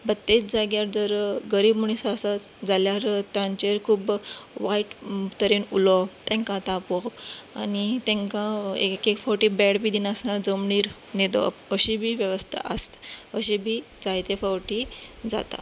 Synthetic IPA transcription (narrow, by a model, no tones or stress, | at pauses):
bət̪ːet͡s̚d͡zaɡjaɾd͡zəɾɡəɾiːbmuɳisaːsa | d͡zaljaɾt̪jãɲt͡ɕeɾkʰuːbʋaiʈt̪əɾinulɔt̪ɛ̃ŋkãt̪apɔa̰nit̪ɛ̃ŋkãekekfɔwʈiːbɛɽbiːd̪inəsnaɾd͡zəmɳiːɾ | nid̪ɔ̰pəɕibʱiːʋjəʋəst̪ʰa̰ʔə̰st̪əɕibʱiː | d͡zajt̪efawʈid͡za̰t̪a̰